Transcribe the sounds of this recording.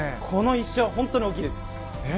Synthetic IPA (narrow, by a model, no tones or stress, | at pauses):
kʰo̞no̞iɕːoaɦõ̞nt̪ːoɲ̟iok̬ʲid̪esɨ̥